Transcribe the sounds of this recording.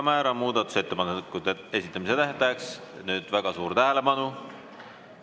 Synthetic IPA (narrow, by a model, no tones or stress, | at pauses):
mæːɾɑmuːd̪ɑt̪ːˑu̥se̞t̪ːe̞pɑnːekːut̪ːeesʲit̪ːˑɑmise̞t̪æɦt̪ɑjeks | nyːd̪̥væɡ̥ɑsuːɾt̪æɦæle̞pɑnu